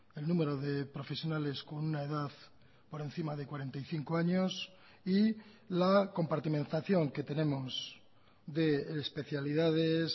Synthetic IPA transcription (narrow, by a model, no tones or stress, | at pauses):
elnũme̞ɾo̞ðe̞pɾo̞fe̞sjo̞nale̞sko̞nunaeðaθ | po̞ɾe̞n̟θimaðe̞kwaɾe̞nt̪ajθiŋkoaɲos | i | lako̞mpaɾt̪imẽ̞nt̪aθjo̞ŋke̞t̪e̞nẽ̞moz | ðe̞spe̞θjalið̞að̞es